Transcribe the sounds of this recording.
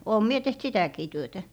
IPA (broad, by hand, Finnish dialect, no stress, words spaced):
oːm mie teht sitæˑkiː tyøtæ